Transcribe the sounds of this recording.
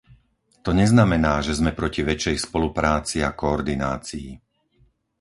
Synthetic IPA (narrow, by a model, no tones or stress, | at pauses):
t̪ɔɲɛznamɛnaːʒɛzmɛpɾɔciʋɛt͡ʃɛjspɔlupɾaːt͡siakɔːɾd̪ina̰ːt͡sii